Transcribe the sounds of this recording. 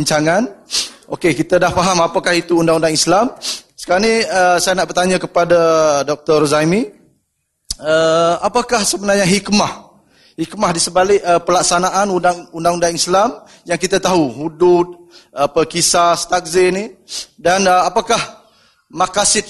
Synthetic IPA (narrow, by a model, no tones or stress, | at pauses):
ɲt͡ʃaŋanʔo̰kekit̪adahfaɦamapakahit̪uːndaŋundaŋislamsə̥kaɾaŋniəsajanaʔbərt̪aɲãkəpadadɔk̚t̪ərzami | əapakahsəbənarɲaɦikmah | hikmahdisəbalɪʔəpəlak̚sanaʔanundaŋundaŋundaŋislam | jaŋkit̪at̪aɦuɦudud̪̚apəkisast̪ak̚zinidanəapakah | makasɪt̪